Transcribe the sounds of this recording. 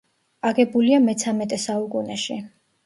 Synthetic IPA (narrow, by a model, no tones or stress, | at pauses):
aɡɛbuliamɛt̪sʰamɛt̪ʼɛsaukʼunɛʃi